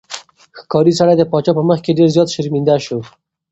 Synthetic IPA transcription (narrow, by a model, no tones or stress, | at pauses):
xkɑɾisaɽajd̪əpɑt͡ʃɑpəməxkeɖeɾzjɑt̪ʃɪɾmind̪aʃo